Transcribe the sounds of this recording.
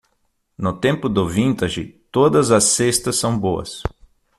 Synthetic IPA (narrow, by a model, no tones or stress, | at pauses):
nʊt̪ẽmpʊd̪ʊvĩnt̪ɐʒɪt̪od̪ɐzɐsːest̪ɐsːɐ̃w̃boɐ̰s